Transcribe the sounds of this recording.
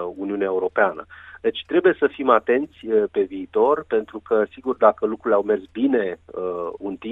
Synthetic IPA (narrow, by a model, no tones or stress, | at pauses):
uniuneaeuɾo̞peanə̰d̪et͡ʃʲt̪ɾe̞buje̞səfimat̪e̞nt̪sʲəpe̞viːt̪o̞rpe̞nt̪ɾukʰəsiɡurd̪akəlukɾuleawme̞rsbine̞əunt̪i